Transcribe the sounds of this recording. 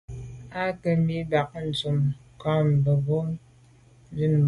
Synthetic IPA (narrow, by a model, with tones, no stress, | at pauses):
a˦kə˨mi˦ba˨k̚n̩˨t͡su˨mkɔ˦m˨bə˨bo˦ŋ˦ | di˦n˨˦